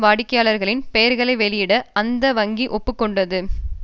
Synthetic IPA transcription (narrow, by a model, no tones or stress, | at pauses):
ʋaːɽɪkːɐjaːɭɐɾɣɐɭɪnpɛjɐɾɣɐɭɐɪʋɛɭɪjɪɽɐɐnd̪ɐʋɐŋɡiʔɔpːɯkːɔɳɖɐðɯ